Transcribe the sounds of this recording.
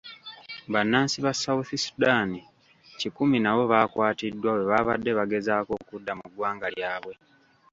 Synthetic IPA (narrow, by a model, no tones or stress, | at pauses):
βanːaːnsiβasawuθisu̥daːni | cikuminaβo̞βaːkwaːtidːwaβwe̞βaβadːe̞βaɡe̞zaːko̞kudːamuɡwaːŋɡaljaːβwe̞